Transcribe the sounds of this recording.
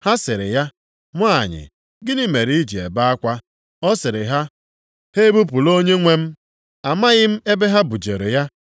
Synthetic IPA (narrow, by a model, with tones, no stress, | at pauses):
ha˦sɪ˨ɾɪ̰˨ja˦ | mʷ˦˨ɲɪ̰˨ | ɡɪ˦ni˦me˨ɾi˦d͡ʒi˨ḛ˨ba˦a˦kʷa˦ | ɔ˦sɪ˨ɾɪ˨ɦa˦ | he˦bu˦p̬u˨lo˦ɲe˦ŋʷe˦m̩˦ | a˨ma˦ɣɪ˦m̩˦e˦be˦ɦa˦bu˨d͡ʒe˨ɾe˨ja˦